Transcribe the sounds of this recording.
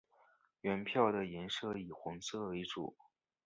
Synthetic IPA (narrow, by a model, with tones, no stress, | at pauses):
ɥɛ˧˥npʰjɑ˥˩ʊd̪ə˩jɛ˧˥nʂɤ˥˩i˨˩xwʊ˧˥ŋsʰɤ˥˩e˧˥ɪʈ͡ʂṵ˨˩˦